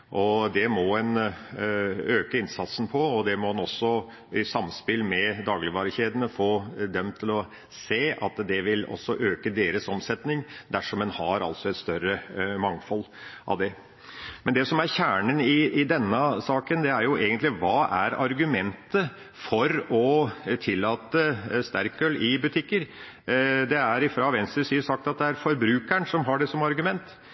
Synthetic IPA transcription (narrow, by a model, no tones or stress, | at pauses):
ʔɔd̪ɛmɔɛn | øːkəɪnsɑt̪sn̩pʰɔɔd̪ɛmɔɛnɔsːɔ | ɪsɑmspɪlmɛd̪ɑːɡlɪʋɑːɾəçeːd̪ənəfoːd̪ɛmt̪ʰɪlɔ | seːʔɑt̪d̪ɛʋɪlɔ̰sːɔʔøːkəd̪eːɾəsɔmsɛt̪nɪŋd̪æʂɔmɛnhɑɾɑ̰lsɔɛt̪st̪œɾəmɑŋfɔlː | ʔɑ̰ʋd̪ɛ | mɛnd̪ɛsɔmæɾçæːɳənɪɪd̪ɛnːəsɑːkənd̪ɛæɾjʊʔeːɡənt̪lɪʋɑːʔæ̰ɾɑ̰ɾɡʉmɛnt̪ə | fɔɾɔt̪ʰɪlːɑːt̪əst̪æɾkœlɪbʉt̪ʰɪkːəɾ | d̪ɛæɾɪfɾɑːʋɛnst̪ɾəsiːsɑk̚t̪ɑt̪̚d̪ɛæɾfɔɾbɾʉːkæɳsɔmɦɑɖɛsɔmɑɾɡʉmɛnt̪